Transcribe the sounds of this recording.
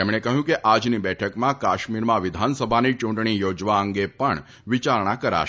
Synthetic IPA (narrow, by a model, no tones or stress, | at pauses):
emɽ̃ekəɦjũkeʔad͡ʒnibɛʈʰəkmãkaʃmiɾmãʋɪd̪ʱansəbʱanit͡ʃũɳʈɳ̃ijod͡ʒʋaəŋɡepəɳ | ʋit͡ʃaɾɳakəɾa̰ʃ